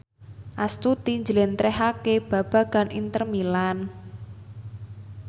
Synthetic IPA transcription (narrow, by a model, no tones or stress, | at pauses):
ʔast̪ut̪iɲd͡ʒəlent̪ɾɛɦakeb̥a̤b̥a̤ɡ̥a̤nint̪ərmilan